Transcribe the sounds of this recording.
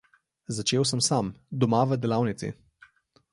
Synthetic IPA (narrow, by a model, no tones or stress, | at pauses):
zat͡ʃeːwsəmsamd̪ɔmaʋəd̪ɛlawnit̪sḭ